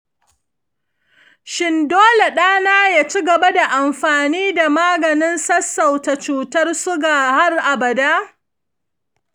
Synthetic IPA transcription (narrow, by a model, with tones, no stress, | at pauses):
ʃɪ˦ndoː˦le˨ɗaː˦naː˦jaː˦˨t͡ʃi˦ɡɐ˨ba˦da˨ʔa˨mɸaː˨niː˦da˨maː˦ɡɐ˨nɪ˦nsɐ˦sːa˨wta˨t͡ʃuː˨tɐ˦rsʊ˦ɡaː˨ha˦rʔa˨bɐ˨daː˦